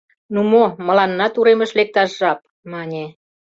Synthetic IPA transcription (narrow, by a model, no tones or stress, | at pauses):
numomə̆lɑnːɑt̪uɾemə̆ʃlek̚t̪ɑʃːɑp̚ | mɑnʲe